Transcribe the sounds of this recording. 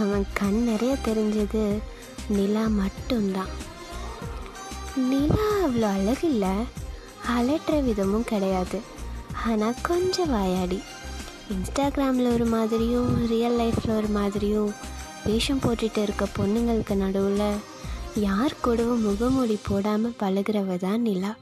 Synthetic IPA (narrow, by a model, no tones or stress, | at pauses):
ɐʋɐ̃kɐnnɛɾɐjat̪ɛɾɪɲd͡ʒɐðɯ | nɪlaːmɐʈːɯmd̪ãː | nɪlaːɐʋɐɭoːɐlɐɣɪlːɐ | ɐlɛʈɾɐʋɪðɐmɯ̃mkɪɽɐjaːðɯ | aːnaːkɔɲd͡ʒɐ̃ʋaːjaːɽi | ɪnsʈaːɡɪɾaːmɪlɔɾɯmaːðɪɾɪjʊ̃ɾijɐlːɐɪfɪlɔɾɯmaːðɪɾɪjʊ̃ | ʋeːʂɐmpoːʈːɪʈːɯɪɾɯkːɐpɔnːɯŋɡɐɭɯkːɯnɐɽɯʋɯlɐ | jaːɾkɔɽɯʋɯmʊɣɐmʊɽipoːɽaːmɐpɐɭɯɣɪɾɐʋɐðãːnɪlaː